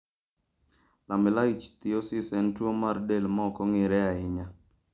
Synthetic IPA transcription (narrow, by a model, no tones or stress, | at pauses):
lamɪlait͡ʃt̪ɪosɪsɛntwomardelmɔkɔŋɪɾɛaɪɲa